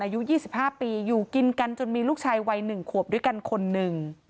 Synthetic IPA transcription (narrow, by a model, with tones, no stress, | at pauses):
ʔaː˧ju˦˥ʔjiː˥˩si˨˩p̚haː˥˩piː˧juː˨˩ki˧nka˧nt͡ɕo˧nmiː˧luː˥˩k̚t͡ɕʰaː˧jwa˧jnɯ˨˩ŋkʰu˨˩p̚du˥˩əjka˧nkʰo˧nːɯ˨˩ŋ